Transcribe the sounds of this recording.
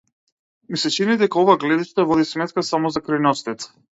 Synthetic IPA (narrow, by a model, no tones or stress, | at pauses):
misɛt͡ʃinid̪ɛkaɔvaɡlɛd̪iʃt̪avɔd̪ismɛt̪kasamɔzakɾajnɔst̪ɛt̪